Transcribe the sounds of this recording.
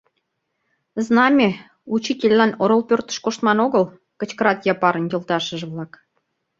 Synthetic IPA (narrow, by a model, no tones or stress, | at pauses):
znɑmʲe | ut͡ɕitʲelʲːɑnoɾolpʲørt̪ə̥ʃkoʃt̪mɑnoɣəl | kə̆t͡ɕkəɾɑt̪jɑpɑɾə̆njə̆lˠt̪ɑʃəʒβlɑk